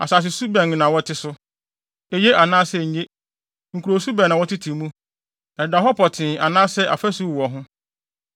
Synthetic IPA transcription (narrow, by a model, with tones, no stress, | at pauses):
a̰˨sa˨s̬ɪ˨su˦bɛ̃˨nnã˨wɔ˦tʰɪ˦sʊ˦ | e˨je˦ʔa˨nãː˦sɛ˦˨ɲ̩˨˦ɲe˦ | ŋ̩˨kʰu˨ɾo˨su˦bɛ̃˨nã˨wɔ˦tʰɪ˦tʰĩ˨˦mũ˦ | ɛ˨da˨ɦɔ˦pʰɔ˨tʰɪ̃˨a˨nãː˦sɛ˦ʔa˨fæ˦su˦˨wɔ˨ɦʊ̃˦